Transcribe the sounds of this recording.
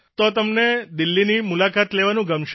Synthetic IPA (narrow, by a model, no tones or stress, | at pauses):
t̪ot̪əmned̪ɪlːinimulakat̪leʋanũɡəmʃ